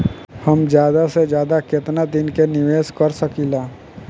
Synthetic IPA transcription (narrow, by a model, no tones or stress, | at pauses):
həmd͡ʒjaːd̪ased͡ʒjaːd̪akɪt̪nad̪ɪnkenɪʋeːskɐɾsəkilaː